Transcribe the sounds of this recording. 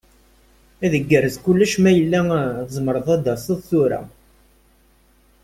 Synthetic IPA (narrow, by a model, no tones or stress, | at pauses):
æðəɡːərːəzkulːæʃmæjəlːæðəzˤmɾˤəðˤæd̪æsˤəðˤθuɾæ̰